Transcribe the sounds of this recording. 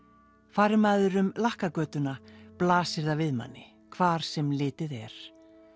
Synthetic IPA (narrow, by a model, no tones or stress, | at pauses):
faːɾɪmaːðʏɾʏmlahkakœːt̪ʏnaplaːsɪɾðavɪðma̰nːɪ | kʰvaːɾ̥sɛmlɪːt̪ɪðɛɾ̥